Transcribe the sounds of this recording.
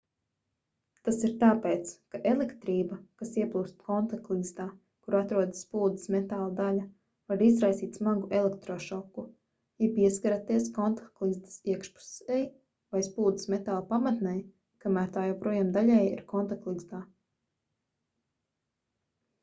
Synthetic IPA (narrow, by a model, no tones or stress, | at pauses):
t̪asiɾt̪aːpeːt̪skaʔelˠekt̪ɾiːbɐkasiɛplˠuːst̪kɔnt̪aklˠizd̪aː | kuɾat̪ɾuɔd̪spuːd̪i̥smet̪aːlˠad̪alʲɐ | vaɾizɾajsiːt̪ʲsmaɡuelˠekt̪ɾɔːʃɔkːu | jɛpiɛskaɾat̪iɛskɔnt̪ḁklˠizd̪i̥siɛkʃpu̥sɛj | vajspuːd̪i̥smet̪aːlˠpamat̪nɛj | kamæːɾt̪aːjɛwpɾuɔjaːmd̪aʎʲɛjḭɾkɔnt̪aklˠizd̪aː